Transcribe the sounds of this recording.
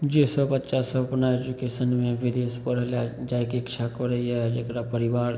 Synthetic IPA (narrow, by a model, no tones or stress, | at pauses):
d͡ʒeːsəbətːʃasəbpnaed͡ʒukeːsənmẽʋɪd̪eːspəɾlad͡ʒajkekt͡ʃʰakəɾəiad͡ʒeːkɾapəɾɪʋaːɾ